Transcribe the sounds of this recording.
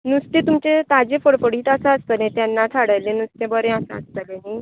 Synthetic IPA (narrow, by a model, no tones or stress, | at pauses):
nust̪ẽt̪umt͡ɕet̪ad͡ʑefəɽfəɽiːt̪asaəst̪ənẽt̪janːat̪ʰaɽəjlenust̪ẽbəɾẽasa̰a̰st̪əleɦi